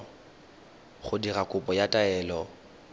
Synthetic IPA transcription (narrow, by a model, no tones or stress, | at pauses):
χʊdirakʼʊpʼɔjatʼaɛːlɔ